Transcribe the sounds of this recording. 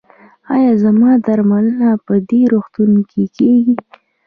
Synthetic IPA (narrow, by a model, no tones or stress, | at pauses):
ɑjɑzamɑd̪aɾmalənapəd̪eɾoxt̪unkʰekeɡi